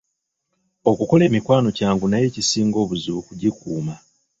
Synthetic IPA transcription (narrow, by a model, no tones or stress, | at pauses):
o̞kuko̞le̞ːmikwaːno̞caːŋɡunaje̞ːcisiːŋɡo̞ːβuzukuɟikuːma